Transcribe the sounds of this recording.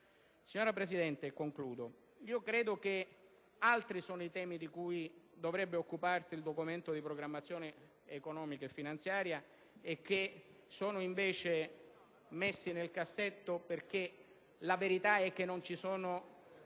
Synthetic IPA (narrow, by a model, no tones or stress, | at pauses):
siɲːoːɾapɾesid̪ɛnt̪ekːoŋkluːd̪o | iːokɾeːd̪ok̟e | alt̪ɾisoːnoit̪ɛːmid̪ikujd̪ovɾɛbːeokːuparsiːld̪okument̪od̪ipɾoɡɾamːat̪sːjoːneː | konɔːmikaefːinant̪sjaːɾja | ek̟ːe | soːnoiɱveːt͡ʃe | mesːinelkasːet̪ːoperk̟e | laveɾit̪aɛk̟ːenːont͡ʃisoːno